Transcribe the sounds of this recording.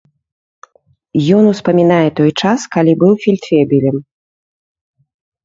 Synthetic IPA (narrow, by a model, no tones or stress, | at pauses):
jɔn̪uspɐmʲinajɛt̪ɔjt͡ʂaskɐlʲibɨwfʲilʲt̪fʲɛbʲilʲɛm